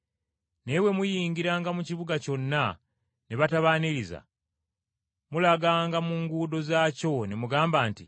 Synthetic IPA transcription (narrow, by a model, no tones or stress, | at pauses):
ne̞we̞mujiːŋɡiɾaːŋɡamuciβuɡaco̞nːa | neβataβaniɾiza̰ | mulaɡaːŋɡamuːŋɡuːdo̞zaːco̞ne̞muɡaːmbaːntḭ